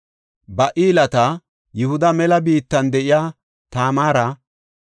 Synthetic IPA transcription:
bɐʔiːlɐt̪ɐ | jʊhʊd̪ɐmɛlɐbiːt̪ːɐnd̪ɛʔɪjaː | t̪aːmaːɾɐ

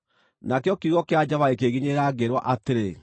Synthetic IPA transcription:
nakjɔkiɣɔkead͡ʑaβaekeɣiɲeɾaːɡeɾwaʔateɾe

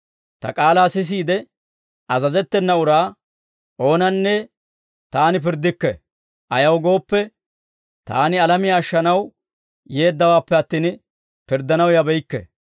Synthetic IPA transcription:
t̪ɐ̰kʼaːlaːsɪs̬iːd̪ɛ | ɐzɐzɛt̪ːɛnːɐʊɾaː | ʔo̞ːnɐnːɛ | t̪aːnɪpɪɾd̪ːɪkːɛ | ʔɐjɐwɡo̞ːpːɛ | t̪a̰ːnɪɐlɐmɪjaːʃːɐnɐw | je̞ːd̪ːɐwaːpːɛɐt̪ːiːn | pɪɾd̪ɐnɐwjɐbɛjkːɛ̰

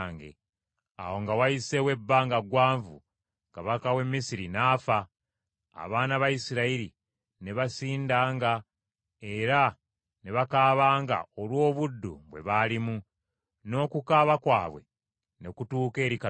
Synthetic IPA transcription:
ŋɡḛ | a̰wo̞ŋɡawaise̞we̞bːaːŋɡaɡwaːɱvṵ | kaβakawe̞mːisiɾinaːfa̰ː | βaːnaβajisiɾaiɾi | ne̞βasiːndaːŋɡa | e̞ɾa | ne̞βakaːβaːŋɡa̰olwo̞ːβudːuβwe̞̰βalimu | no̞ːkukaβakwaːβwe̞̰ | ne̞kutuːke̞ːɾika

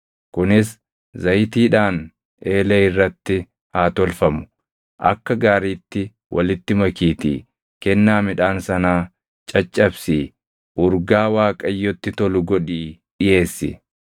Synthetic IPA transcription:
kʊnɪs | zɐjt̪iːᶑaːn | eːlɐɪrːɐt̪ːɪ | haːt̪ɔlfɐmʊ̥ | ʔɐ̰kːɐɡaːɾiːt̪ːɪ | wʔɐ̰lɪt̪ːɪmɐkiːt̪ḭː | kɛnːaːmɪᶑaːnsɐnaː | t͡ʃʼɐt͡ʃʼːɐbsiː | ʔʊɾɡaːwaːkʼɐjːɔt̪ːɪt̪ɔlʊɡɔᶑiː | ᶑɪje̞ːsːɪ̰

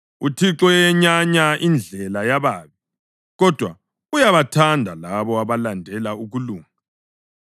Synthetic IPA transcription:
utʰiǁɔjɛɲaɲaʔind͡ɮʱɛlajaβaːβi | ɣɔd̥ʱwa | ujaβatʰandʱalaβɔaβalandʱɛlauɣuluːŋa

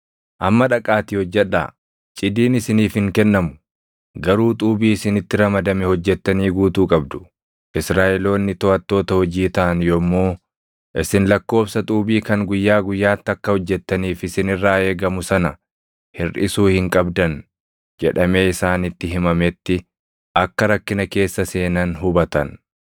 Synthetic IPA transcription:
ʔɐmːɐᶑɐkʼaːt̪iːhɔd͡ʒːɛᶑːa̰ː | t͡ʃʼɪd̪iːnɪsɪniːfhɪŋkɛnːɐmʊ̥ | ɡɐɾuːt̪ʼuːbiːɪsɪnɪt̪ːɪɾɐmɐd̪ɐmɛhɔd͡ʒːɛt̪ːɐniːɡuːt̪uːkʼɐbd̪ʊ̥ | ʔɪsɾaːʔɛlo̞ːnːɪt̪ɔɐt̪ːo̞ːt̪ɐhɔd͡ʒiːt̪ɐʔɐnjomːoː | ʔɪsɪnlɐkːo̞ːfsɐt̪ʼuːbiːkɐŋɡʊjːaːɡʊjːaːt̪ːɪɐkːɐhɔd͡ʒːɛt̪ːɐniːfɪsɪnɪrːaːe̞ːɡɐmʊsɐnɐ | hɪrʔɪsuːhɪŋkʼɐbd̪ɐn | d͡ʒɛᶑɐme̞ːɪsaːnɪt̪ːɪɦɪmɐmɛt̪ːɪ | ʔɐkːɐɾɐkːɪnɐke̞ːsːɐse̞ːnɐnɦʊbɐt̪ɐ̰n

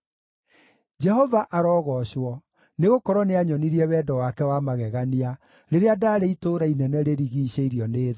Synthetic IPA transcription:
d͡ʒɛhɔvaʔaɾɔːɣɔɕwɔ | neɣokɔɾɔneaɲɔniɾiɛwɛːdɔwakɛwamaɣɛɣania | ɾeɾeadaːɾeitoːɾainɛnɛɾeɾiɣiːɕeiɾiɔneːða

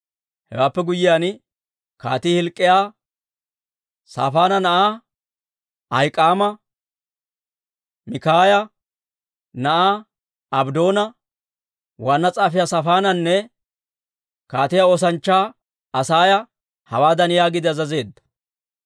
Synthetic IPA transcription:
hɛ̰waːpːɛɡʊjɪjaːn | ka̰ːt̪ihɪlkʼːɪjaː | sa̰ːfaːnɐnɐʔa | ɐjkʼːaːmɐ | mɪkaːjɐ | nɐʔaː | ɐbd̪o̞ːnɐ | waːnːɐt͡sʼaːfɪjaːsɐfaːnɐnːɛ | kaːt̪ɪjaoːs̬ɐnt͡ʃːaː | ɐsaːjɐ | hɐ̰waːd̪ɐnjaːɡɪd̪ɪɐzɐze̞ːd̪ːɐ̥

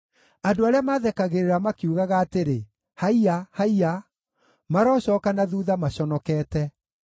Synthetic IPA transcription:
adoaɾeamaðɛkaɣeɾeɾamakiuɣaɣaːteɾe | haiahaia | maɾaɔːɕɔkanaðuðamaɕɔnɔkɛːtɛ

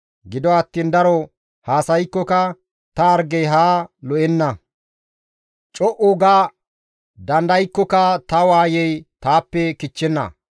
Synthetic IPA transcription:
ɡɪd̪ɔɐt̪ːiːnd̪ɐɾɔ | haːsɐjkːɔkɐ | t̪ɐɐɾɡɛjɦaːlɔʔɛnːɐ | t͡ʃʼɔʔʊɡaː | d̪ɐnd̪ɐjkːɔkɐt̪ɐwaːjɛjt̪aːpːɛkɪt͡ʃːɛnːɐ̰

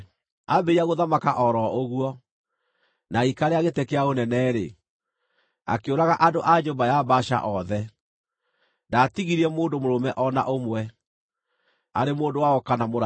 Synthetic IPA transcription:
abeiaɣoðamakaʔɔɾɔoɣuɔ | naikaɾeaɣetekeaonɛnɛːɾe | a̰keoɾaɣaʔadoʔaɲombajabaʃa̰ʔɔðɛ | ndaːtiɣiɾiɛmoːndomoɾomɛʔɔna̰ʔomwɛ | aɾemoːndowaɔkanamoɾ

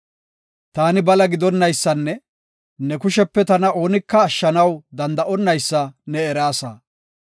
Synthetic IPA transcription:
t̪aːnɪbɐlɐɡɪd̪ɔnːɐjsːɐnːɛ | nɛkʊʃɛpːɛt̪ɐnɐo̞ːnɪkːɐːʃːɐnɐwd̪ɐnd̪ɐʔɔnːɐjsːɐnɛɛɾaːsa̰ː

